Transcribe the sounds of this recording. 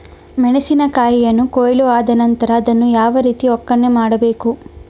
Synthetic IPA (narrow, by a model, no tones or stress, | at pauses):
mɛɳesinɐkaːjijɐnːukoːjɭuaːd̪ɐnɐnt̪ɐɾɐːd̪ɐnːujaːʋɐɾiːt̪iɔkːɐɳːemaːɽɐbe̞ːku